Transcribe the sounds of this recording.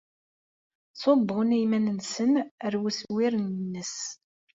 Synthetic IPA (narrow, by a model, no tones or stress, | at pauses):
sˤobʁʊnijmænənsənəɾwuswiɾnnːəs